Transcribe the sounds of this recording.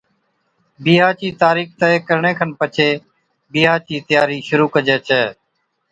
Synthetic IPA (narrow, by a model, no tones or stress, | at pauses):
biːɦaːt͡ʃiːt̪aːɾiːkt̪əekəɾɳeːkʰənpət͡ʃʰeː | biːɦaːt͡ʃiːt̪ɪjaːɾiːʃʊɾuːkəd͡ʒeːt͡ʃʰɛː